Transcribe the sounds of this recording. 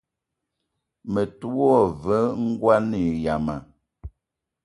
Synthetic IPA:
mə˨tu˦ɔ˦˨və˨˦ŋ̩˦ɡwa˦ni˨ja˨ma˨

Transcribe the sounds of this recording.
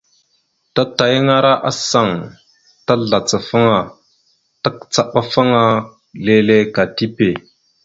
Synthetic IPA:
ta˦ta˨jŋa˦ɾa˦ʔa˦sa˨ŋ | ta˦ɮa˨t͡sə˨fa˦ŋa˨ | ta˦kt͡sa˨ɓa˦fa˦ŋa˦ | le˨le˦ka˨ti˦pe˨

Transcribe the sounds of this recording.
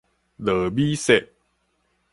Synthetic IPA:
lɤː˨˩˦biː˦˥se˨˩ʔ̚

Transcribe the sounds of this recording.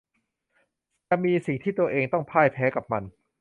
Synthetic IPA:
ɛ˨˩miː˧si˨˩ŋt̪ʰiː˥˩t̪u˧ɐʔeː˧ŋt̪ɔ˥˩ŋpʰaː˥˩jpʰɛː˦˥ka˨˩p̚ma˧n

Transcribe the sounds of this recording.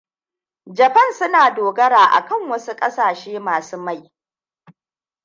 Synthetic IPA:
d͡ʒɐ˨ɸɐ˦˨nsʊ˦naː˨doː˨ɡɐ˦ɽaː˨ʔa̰˨kɐ˦˨ŋwɐ˦su˦kʼɐ˦saː˨ʃeː˦maː˨suː˦ma˦˨j

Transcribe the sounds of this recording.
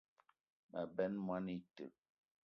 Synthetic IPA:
mə̰˨bɛ˦nmwa˦ni˦tə̰˨

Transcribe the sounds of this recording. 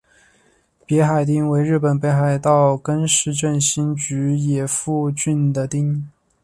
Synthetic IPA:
pjɛ˧˥xa˨˩ɪt̪̬i˥ŋwe˧˥ɪɻɻ̩˥˩pə˨˩npe˥˧ɪxa˨˩ɪt̪ɑ˥˩ʊkə˥nʂɻ̩˧˥t͡ɕə˥˧nɕi˥nt͡ɕy˧˥jɛ˨˩fu˥˧t͡ɕy˥˩nd̪ə˨t̪i˥ŋ

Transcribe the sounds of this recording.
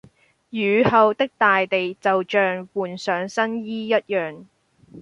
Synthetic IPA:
jyː˨˧hɐ˨˧wt̪ɪ˥k̚t̪aː˨jt̪e˨jt͡sɐ˨wt͡ʃœː˨ŋwuː˨˩nsœː˨˥ŋsɐ˥njiː˥jɐ˥t̚jœː˨ŋ

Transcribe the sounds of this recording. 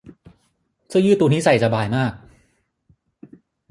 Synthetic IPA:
sʰɯ˥˩jɯː˥˩t̪ːuː˧ni˦˥sa˨˩jsa˧baː˧jmaː˥˩k̚

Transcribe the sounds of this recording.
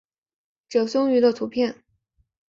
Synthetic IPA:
ʈ͡ʂɤ˨˩ʊsʊ˥ŋy˧˥d̪ə˧t̪ʰu˧˥pʰjɛ˥˩n

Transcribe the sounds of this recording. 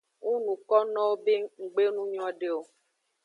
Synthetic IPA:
ŋu˦nũ˨kɔ˦nɔ̃˦wo˦be˦ŋ̩˨ɡ͡be˦nũ˦ɲ˦ɔ̃˦ɖe˦o˦

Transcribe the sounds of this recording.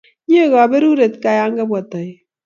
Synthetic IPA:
ɲ˦e˦˨ɣa˨be˦ɾu˦ɾe˨t̪ka˨ja˦ŋɡa˦bwa˨t̪a˨

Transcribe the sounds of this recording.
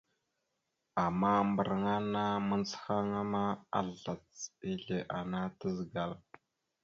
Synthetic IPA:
a˨ma˦mbə˨ɾŋa˦na˦mə˦nsxa˦ŋa˦ma˦a̰˦˨ɮa˨t͡si˦ɮe˨ʔa˨na˦tə˦zɡa˨l

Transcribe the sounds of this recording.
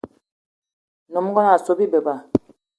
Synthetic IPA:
nɔ˨m˦ɡɔ˦na˨so˨˦bi˦be˨ba˦˨

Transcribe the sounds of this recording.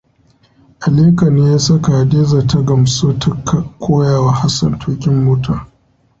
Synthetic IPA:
ʔa˨leː˦kɐ˨ne˦ja˦sɐ˦ka˨deː˦za˨tɐ˦ɡɐ˨msoː˦tʰɐ˦ka˨kʷʰoː˦jaː˨wa˦ha˦sɐ̰˨ntʰoː˦kʲɪ˦mːoː˦taː˦˨

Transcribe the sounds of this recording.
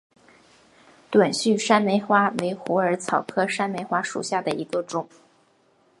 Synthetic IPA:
t̪wa˨˩nɕy˥˩ʂa˥nme˧˥ɪxwa˥we˧˥ɪxu˧˥ə˞˧˥t͡sʰɑ˨˩ʊkʰɤ˥ʂa˥nme˧˥ɪxwa˥ʂṵ˨˩ɕja˥˩d̪ə˩i˧˥ɡə˧ʈ͡ʂʊ˨˩˦

